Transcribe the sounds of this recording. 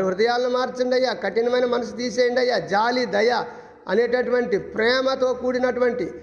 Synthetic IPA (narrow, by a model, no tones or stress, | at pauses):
ɐɾiɦɾud̪ɐjaːlɐnumaːɾt͡ʃiɳɖɐjːaːkɐʈːinɐmɐjnɐmɐnɐsut̪iːseːjiɳɖɐjːaːd͡ʒaːlid̪ɐjɐ | ɐ̰neːʈ̬ɐʈuʋɐɳʈipɾɛːmɐt̪o̞ːkuːɽinɐʈuʋɐɳʈi